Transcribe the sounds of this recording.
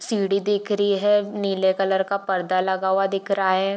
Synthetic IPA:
siːɽid̪ɪkʰɾəɦiɦɛniːlekɐləɾkapɐɾd̪alɐɡaːwad̪ɪkʰɾaɦɛ̃

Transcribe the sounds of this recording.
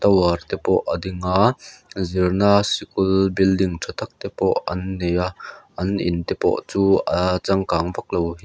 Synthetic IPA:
t̪ɐwart̪ɛpɔʔɐd̪ɪŋazirnasikʊlbildɪŋtʰɐt̪ʰɐk̚t̪ɛpɔʔɐnːejaʔɐnʔɪ̰nt̪ɛpɔ̰ʔt͡suːʔat͡sɐŋkaːŋbɐk̚lowɦiː

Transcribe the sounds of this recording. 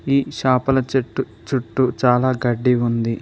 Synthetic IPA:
iːʃaːpɐlɐt͡ʃɐʈːu | t͡ʃuʈːut͡ʃaːlaːɡɐɖːiund̪i

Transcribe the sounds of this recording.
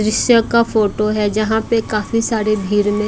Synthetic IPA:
ɾɪʃjəkafoːʈoɦɛd͡ʒɐɦãpekaːfisaːɾebʱiːɾmẽ

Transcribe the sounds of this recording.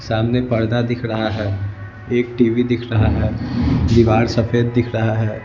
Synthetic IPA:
saːmnepɐɾd̪ad̪ɪkʰɾɐɦaɦɛː | eːk̚ʈiːʋid̪ɪkʰɾɐɦaɦɛːd̪iʋaːɾsɐfʰeːd̪̚ːɪkʰɾɐɦaɦɛː

